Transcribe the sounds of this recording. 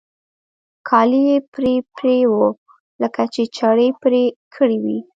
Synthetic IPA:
kʰɑlijepɾepɾewo | ləkat͡ʃet͡ʃaɽəpɾekʰəɽiwi

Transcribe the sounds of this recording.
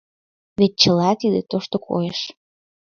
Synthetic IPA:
βet̪̚t͡ɕəlɑt̪id̪et̪oʃt̪okʰo̰jeʃ

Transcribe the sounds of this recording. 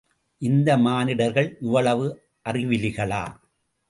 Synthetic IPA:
ʔɪnd̪ɐmaːnɪɽɐɾɣɐɭʊʋɐɭɐʋɯ | ʔɐrɪʋɪlɪɣɐɭa̰ː

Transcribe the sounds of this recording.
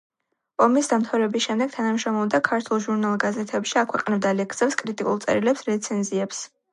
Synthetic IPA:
ɔmisd̪amt̪ʰavɾɛbisʃɛmd̪ɛɡ̥̚t̪ʰanamʃɾɔmɔmd̪akʰaɾt̪ʰulˠʒuɾnalˠɡazɛt̪ʰɛpʃiakʰwɛqʼnɛbd̪alɛkʰsɛpskʼɾit̪ʼikʼulˠt̪sʼɛ̰ɾilɛpsɾɛt̪sʰɛnziɛps

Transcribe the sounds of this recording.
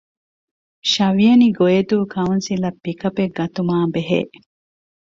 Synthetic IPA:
ʃɐʋiɐniɡojed̪uːkʰɐunsilɐpːikɐpeɡːɐt̪umaːbeɦḛːʔ

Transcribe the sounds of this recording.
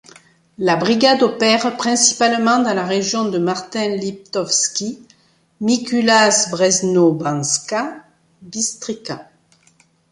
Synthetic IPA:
labʁiɡad̪ɔpɛʁpχɛ̃si̥palmɑ̃d̪ɑ̃laʁeʒjɔ̃d̪əmaʁt̪ɛ̃lip̚t̪ɔfskʲi | mikylasbʁɛznobɑ̃ska | bist̪χika

